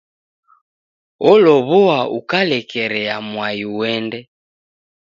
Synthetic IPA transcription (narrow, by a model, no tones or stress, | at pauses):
ɔlɔβɔaṵkalɛkɛɾɛamwajiwɛndɛ